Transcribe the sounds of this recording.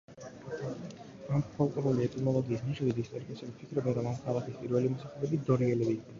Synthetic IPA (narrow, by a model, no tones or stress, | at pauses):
ampʰɔlˠkʼɔɾuliɛt̪ʼimɔlˠɔɡiːsniʃɔd̪id̪ist̪ʼɛɾikʼɛsɛbipʰikʰɾɔbɛnɾɔmamχʰalˠakʰispʼiɾvɛlimɔsaχɛbɛbid̪ɔɾiɛlɛbiːk̪ʰd̪ɛ